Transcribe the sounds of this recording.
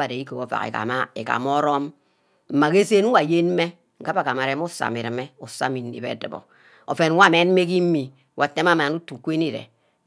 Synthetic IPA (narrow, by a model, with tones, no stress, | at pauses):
a˨de˨i˦ko˨o˨fa̰˨kḛ˨ka̰˨ma˦ḛ˨ka̰˨m˦ɔ˦ɾɔ˦m | m̩˨ma˨ke˦se˦nu˦wa˨je˦nm˦me˦ | ŋ̩˨ka˦pa˨ka˨ma˨ɾe˦mu˦sa̰˨mi˨ɾɨ˨me˦u˨sa˦mi˨nː˨ḭ˨bḛ˦dɨ̰˨bɔ̰˨ | o̰˨fe˨n˦wʷa˦˨me˦n˦me˦ki˦m̩˦mi˨˦ | wʔa˨te˦m˦a˦ma˨nu˦tu˨kʷe˦ni˦ɾḛ˨